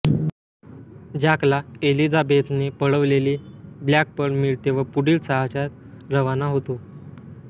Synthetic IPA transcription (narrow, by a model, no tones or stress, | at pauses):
d͡ʑaklaelid͡zabet̪nepəɭəʋleliːbljak̚pəɳmiɭt̪eʋ̤əpuɽiːlsəɦat͡ɕat̪ | ɾəʋanaɦot̪o